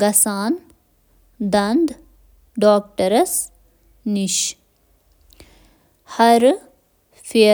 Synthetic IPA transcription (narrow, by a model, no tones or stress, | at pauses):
ɡɐsaːn | d̪ɐnd̪ | ɖoːk̚ʈəɾɐs | niʃ | haɾ | fe